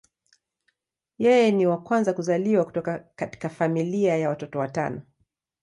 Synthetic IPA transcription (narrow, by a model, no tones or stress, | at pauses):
jɛjɛniwakwanzakuzaliwaku̥tɔkakati̥kafamiliajawatɔtɔwata̰nɔ